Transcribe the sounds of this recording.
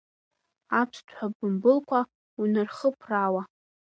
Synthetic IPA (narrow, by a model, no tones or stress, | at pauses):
apʰtʷʰħabɨmbɨlkʷʰa | unɨrχəpʰrawa